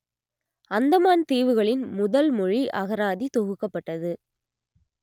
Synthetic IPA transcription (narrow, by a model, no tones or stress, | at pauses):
ɐnd̪ɐmaːnt̪iːʋɯɣɐɭɪnmʊðɐlmʊɻiʔɐɣɐɾaːðit̪ɔɣɯkːɐpːɐʈːɐðɯ